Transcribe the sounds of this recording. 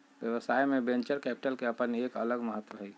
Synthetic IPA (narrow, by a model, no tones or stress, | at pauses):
bjəʋəsaemebẽnt͡ʃəɾkɛpi̥ʈəlkeəpənekələɡməɦət̪ːʋəɦɛj